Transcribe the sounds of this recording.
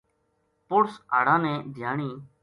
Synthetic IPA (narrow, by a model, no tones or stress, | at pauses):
pʊɽsa̰ːɽ̤ãːnɛ̃ːd̪ʱjaːɳiː